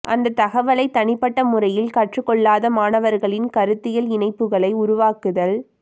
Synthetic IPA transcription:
ʔɐ̰nd̪ɐt̪ːɐɣɐʋɐlɐɪt̪ɐnɪpːɐʈːɐmʊrɐjɪlkɐʈrɯkɔɭːaːðɐmaːnɐʋɐɾɣɐɭɪnkɐɾɯt̪ːɪjɐlɪnɐɪpːɯɣɐɭɐɪʊɾʊʋaːkɯðɐl

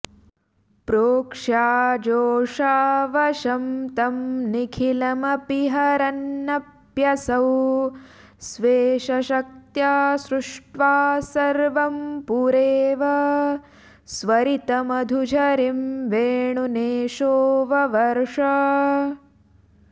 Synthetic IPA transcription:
pɾoːkʂaːd͡ʒoːʂaːʋɐʃɐmt̪ɐmnikʰilɐmɐpiɦɐɾɐnːɐp | jɐsɐw | sʋeːʃɐʃɐk̚t̪jaːsɾuʂʈʋaːsɐɾʋɐmpuɾeːʋɐ | sʋɐɾit̪ɐmɐd̪ʱud͡ʒʱɐɾimʋeːɳuneːʃoːʋɐʋɐɾʂɐ

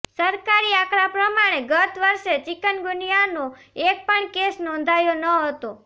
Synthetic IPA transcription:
səɾkaɾiakɾapɾəmaɽ̃eɡət̪ʰʋəɾʃet͡ʃɪkənɡunijano | ek̚pəɳkesnɔ̃nd̪ʱajonəɦət̪o

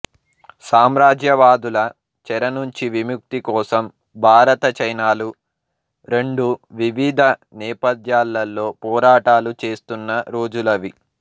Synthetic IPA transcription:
saːmɾaːd͡ʒjɐʋaːd̪ulɐ | t͡ʃɛɾɐnuɲt͡ʃiʋimjuk̚t̪ikɔːsɐm | bʱaːɾɐt̪ɐt͡ʃɐjnaːlu | ɾe̞ɳɖuʋiʋid̪ʱɐnɛːpɐd̪jaːlːɐlːo̞ːpɔːɾaːʈaːlut͡ʃe̞ːst̪unːɐɾo̞ːd͡ʒulɐʋi

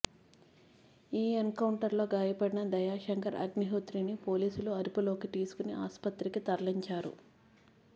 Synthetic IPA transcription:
iːenkɐwuɳʈɐɾlo̞ːɡaːjɐpɐɽinɐd̪ɐjaːʃɐŋkɐɾɐ̰ɡniɦut̪ɾinipo̞ːliːsuluɐɾupulo̞ːkit̪iːsu̥kuniʔa̰ːspɐt̪ɾikit̪ɐɾɐliɲt͡ʃaːɾṵ

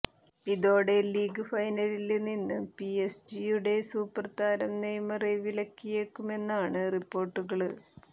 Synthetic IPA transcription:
iðo̞ːɽeliːɡɨfɐjnɐlilninːɨpiesd͡ʑijuɽe̞suːpːɐrt̪aːɾɐmnejmɐreʋilɐkːijekːume̞nːaːɳɨripːo̞ːrʈːuɣɐɭɨ

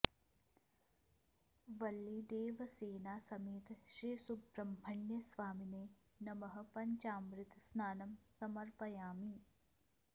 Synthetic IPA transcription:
ʋɐlːid̪eːʋɐseːnaːsɐmeːt̪ʃɾiːsubɾɐmbʱɐɳjɐsʋaːmineː | nɐmɐɦɐ̆pɐɲt͡ʃaːmɾɪt̪snaːnɐmsɐmɐɾpɐjaːmi

